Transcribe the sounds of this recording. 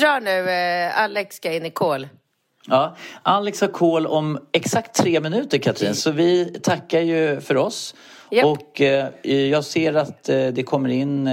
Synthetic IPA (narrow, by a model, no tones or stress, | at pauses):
ɾɑːɳʉ̟ːalːɛkskaɪnːɪkʰoːl | ɑːʔalːɛkshaɾkʰoːlɔmɛksakt̪ʰːɾeːmɪnʉ̟ːt̪əɾkʰat̪ʰɾḭːnsɔvɪt̪ʰakːaɾjɵfœɾɔs | ɔk | jɑːɡseːɾat̪d̪ɛkʰɔmːəɾɪnː